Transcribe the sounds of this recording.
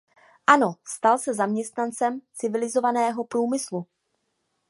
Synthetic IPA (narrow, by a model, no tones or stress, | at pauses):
ʔano̞st̪alsɛzamɲɛst̪nant͡sɛmt͡sɪvɪlɪzovanɛːɦo̞pɾuːmɪslu